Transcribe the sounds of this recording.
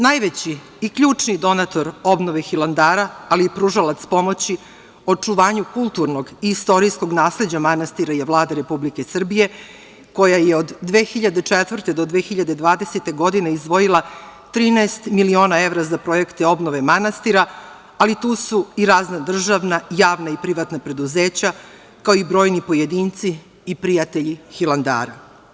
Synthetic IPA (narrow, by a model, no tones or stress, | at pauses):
najʋet͡ɕiː | kʎuːt͡ʂnid̪o̞nat̪o̞ɾo̞bnoʋexilˠand̪aːɾaːliːpɾuʒalˠat̪spo̞mo̞t͡ɕi | ot͡ʂuʋaːɲukulˠt̪uɾnoɡiːst̪o̞ɾisko̞ɡnaːsled͡ʑamanast̪iɾajeʋlˠaːd̪eɾepublikesr̩bije̞ | ko̞jajeod̪ːʋeːxiʎad̪et͡ʂet̪ʋr̩t̪ed̪o̞d̪ʋe̞ːxiʎad̪e̞d̪ʋaːd̪e̞set̪e̞ɡo̞d̪ineizd̪ʋo̞jilˠat̪ɾiːnaest̪milio̞ːnae̞vɾazapɾo̞je̞kt̪eo̞bnoʋe̞manast̪iɾa | alit̪uːsuiɾaːznad̪r̩ʒaʋnajaːʋnaipɾiʋat̪napɾe̞d̪uzeːt͡ɕa | kaoibɾo̞ːjnipo̞jed̪iːnt̪siː | pɾijat̪e̞ʎixilˠand̪a̰ːɾa